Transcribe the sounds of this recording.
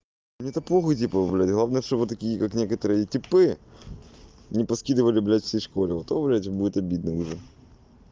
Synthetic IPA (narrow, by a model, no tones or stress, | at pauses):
nʲet̪ɐpˠoxət̬ʲipəblʲætʲɣlˠavnəjəʂt̪ovɨt̪ːɐkʲijəkaknʲekət̪əɾɨjətʲɪpɨ | nʲɪpɐskʲid̪ɨvəlʲɪblʲætʲfʲsʲejʂkolʲɪvot̪oblʲætʲbudʲɪt̪ɐbʲid̪̚nəʊʐɛ